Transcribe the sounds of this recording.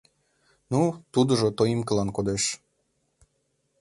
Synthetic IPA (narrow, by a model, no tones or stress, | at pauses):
nut̪ud̪ə̆ʒot̪oimkəlɑnkod̪eʃ